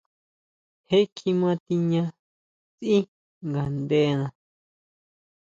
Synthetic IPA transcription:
he˦kʰi˧mã˧t̪i˧ɲã˧ | t͡si˦ | ŋɡa˨nd̪e˧nã˧

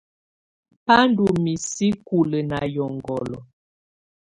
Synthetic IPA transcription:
pa˦n˦du˨mi˨si˦ku˨lə˨na˨jɔ˨ŋɡɔ˨lɔ˨

